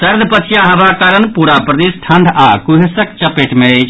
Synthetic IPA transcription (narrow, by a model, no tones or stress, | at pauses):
sɐɾd̪ʱpət͡ʃʰjãɦɐbʱakaːɾənpuɾapɾəd̪eːsʈʰɐ̃nd̪ʱakuɦesəkt͡ʃəpeʈmẽt͡ʃ